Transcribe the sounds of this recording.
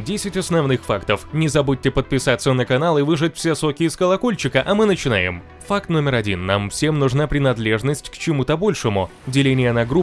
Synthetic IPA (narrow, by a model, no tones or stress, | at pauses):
dʲesʲɪtʲɐsnɐvnɨxfakt̪əfnʲɪzɐbut̚ʲːɪpət̪̚pʲɪsat̪sːənəkɐnalˠɨvɨʐɨt̚ʲfsʲeso̞kʲɪjɪskəlˠɐko̞lʲt͡ɕɪkəʔɐmɨnət͡ɕɪna̰jɪ̰m | fak̚t̪no̞mʲɪɾɐdʲinːamfsʲe̞mnʊʐnapɾʲɪnɐd̪lʲe̞ʐnəsʲtʲkt͡ɕɪmut̪əbo̞lʲʂɨmʊ | dʲɪlʲenʲɪjənɐɡɾu